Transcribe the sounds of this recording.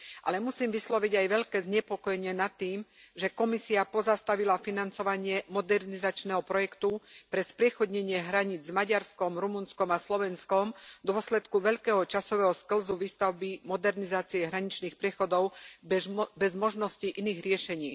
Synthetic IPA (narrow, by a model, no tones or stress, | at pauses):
ʔa̰lɛmusiːmʋislɔʋiɟajʋɛʎkɛːzɲɛpɔkɔjɛɲɪɛnat̪ːiːmʒɛkɔmisiapɔzast̪aʋilafinant͡sɔʋaɲɪɛmɔd̪ɛɾnizat͡ʃnɛɦɔpɾɔjɛkt̪upɾɛspɾɪɛxɔd̪ɲɛɲɪɛɦɾaɲiːd͡zzmaɟaɾskɔmɾumunskɔmaslɔʋɛnskɔmd̪ʊɔslɛt̪kuʋɛʎkɛːɦɔt͡ʃasɔʋɛɦɔskl̩zuʋiːst̪aʊbimɔd̪ɛɾnizaːt͡siɛɦɾaɲit͡ʃniːxpɾɪɛxɔd̪ɔʊ | bɛzmɔʒnɔsciʔiniːɣɾɪɛʃɛɲiː